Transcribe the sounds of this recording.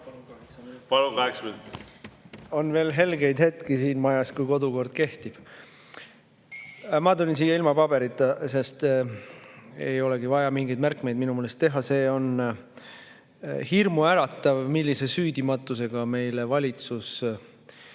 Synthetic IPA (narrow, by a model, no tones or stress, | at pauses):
pɑlukɑeksmynt̪ | o̞nve̞ːlɦe̞lɡe̞jd̪̥he̞t̪kisiːnmɑjɑskujko̞d̪uko̞rd̪̥̚ke̞ht̪ib̥ | mɑt̪ulʲinsiːjːɑilmɑpɑb̥e̞ɾit̪ːˑɑse̞st̪ | ejo̞le̞ɡivɑjɑmiŋɡejd̪mærkme̞jd̪̚minumeːlest̪ːe̞ɦɑse̞ːo̞n | hirmuæɾɑt̪ːˑɑvmilːise̞syːd̪̥imɑt̪ːˑuse̞ɡ̥ɑme̞jle̞vɑlʲit̪sus